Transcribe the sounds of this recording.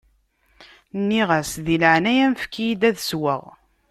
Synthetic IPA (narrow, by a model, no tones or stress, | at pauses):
nːiʁæsðiləʕnæjænfkːijid̪æðswəʁ